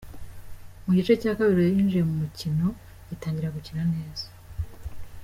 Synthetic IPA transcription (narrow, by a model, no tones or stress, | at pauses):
muɟit͡ʃe̞caːkaβiɾijaɾiːnd͡ʒijemumucino̞ | itaːɲɟiɾaɡuciɾane̞ːz̥ḁ